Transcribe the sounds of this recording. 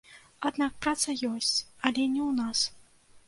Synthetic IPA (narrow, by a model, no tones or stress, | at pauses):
ad̪nak̚pɾat̪sɐjɔsʲt͡sʲɐlʲɛnʲɛwnas